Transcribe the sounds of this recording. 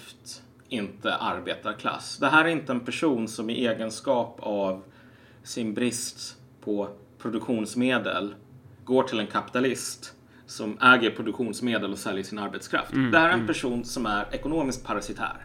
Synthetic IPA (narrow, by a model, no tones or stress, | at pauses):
ft̪ | ɪnt̪ə̰ʔaɾbeːt̪aɾkʰla̰sːd̪ɛɦæːɾæɾɪnt̪əɛnpʰæʂuːnsɔmɪʔeːɡənskɑːpav | sɪnbɾɪst̪ | pʰɔ | pʰɾʊd̪ɵkɧuːnsmeːd̪ə̰l | ɡoːʈʰɪlɛnkʰapɪ̥t̪alɪst̪ | sɔmʔɛːɡəɾpʰɾʊd̪ɵkɧuːnsmeːd̪əlɔsɛljəʂɪnaɾbɛt̪skʰɾa̰ft̪d̪ɛhæːɾæɾɛnpʰæʂuːnsɔmæɾɛkʊnoːmɪskt̪̚pʰaɾasɪt̪ʰæ̰ːɾ